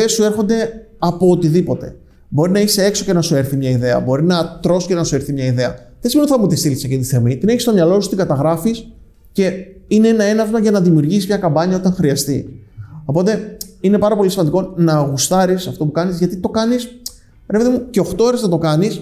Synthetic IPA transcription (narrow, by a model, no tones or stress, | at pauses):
esue̞ɾxo̞nd̪e̞ | ɐpo̞ːt̪iðipo̞t̪e̞̰ | bo̞ɾinɐisee̞kso̞ce̞nɐsue̞ɾθimɲɐiðe̞ɐ̰bo̞ɾinɐt̪ɾo̞so̥cenɐsue̞ɾθimɲɐiðe̞ɐ | ðesimenot̪θɐmut̪ist̪ilisekint̪i̥θemit̪ine̞çist̪o̞mɲɐlo̞su̥st̪iŋɡɐt̪ɐɣɾɐfis | ce̞ineenɐe̞nɐvzmɐʝɐnɐðimiuɾʝisizmɲɐkɐmbɐɲɐot̪ɐŋxɾiɐst̪io̞po̞t̪e̞ine̞pɐɾɐpo̞lismɐnd̪iko̞nɐːɣust̪ɐɾisɐft̪o̞pukɐnizʝɐt̪it̪o̞kɐnis | pɾepet̪emuce̞o̞xt̪ooɾeznɐt̪o̞kɐnis